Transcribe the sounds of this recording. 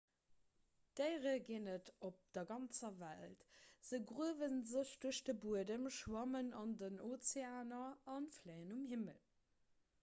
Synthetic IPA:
d̥eɪʁəɡeːnətop̚d̥ɐɡɑnt͡sɐvæltz̥əɡʁuəvənzəɕd̥uəʃd̥əbuədəmʃwɑmənɑndənot͡seaːnɐɑnfleɪənumhimə̰l

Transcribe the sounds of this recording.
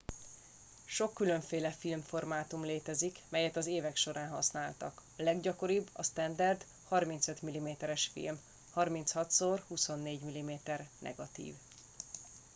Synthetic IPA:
ʃo̞kːylø̞ɱfeːlɛfilmfo̞rmaːt̪umleːt̪ɛzikmɛjɛt̪ɒzeːvɛkʃo̞ɾaːnɦɒsnaːlt̪ɒ̰klɛɡɟɒko̞ɾibːɒ̰st̪ɛnd̪ɛrd̪ | hɒrmint̪søt̪milimeːt̪ɛɾɛʃfḭlm | hɒrmint̪shɒt̪sorhuso̞nːeːɟmilimeːt̪ɛrnʔɛ̰ɡɒt̪ḭːv

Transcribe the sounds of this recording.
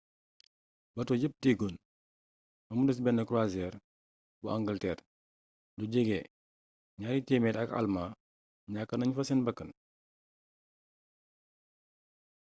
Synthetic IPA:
bɐtɔɟəp̚tiɡon | mɐmudəs̬bɛnːəkɾwazɛːr | buaŋɡəltɛːr | duɟəɡɛ | ɲaːɾitɛmɛːtɐkɐ̰lmaː | ɲakːɐnɐɲfɐsɛnbɐkːən

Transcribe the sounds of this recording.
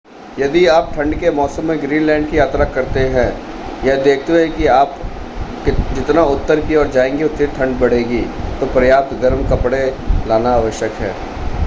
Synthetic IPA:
jɐd̪iaːp̚ʈʰɐ̃ɳɖkemɔːsəmːẽɡɾiːnlɛ̃ːɳɖ̚kijaːt̪ɾakɐɾt̪eɦɛ̃ː | jɛɦd̪eːkʰt̪eɦɛ̃kiaːp | d͡ʒɪt̪naʊt̪ːəɾkiɔːɾd͡ʒaːẽːŋɡeʊt̪ːiʈʰɐ̃ɳɖbɐɽ̤eːɡit̪opɾɐjaːp̚t̪ɡɐɾmkɐpɽelaːnaaːʋəʃjəkɦɛ̰̃ː

